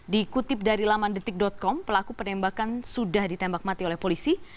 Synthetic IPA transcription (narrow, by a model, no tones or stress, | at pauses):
dikut̪ɪp̚daɾilamandət̪ɪk̚dɔt̪̚kɔmpəlakupərnɛmbakansudahdit̪ɛmbak̚mat̪iolɛhpolisi